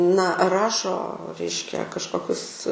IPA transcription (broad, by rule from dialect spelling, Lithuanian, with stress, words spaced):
nɐ ˈrɑːʃoː ˈrʲɛɪʃʲkʲɛ kɐʃˈkoːkʲʊs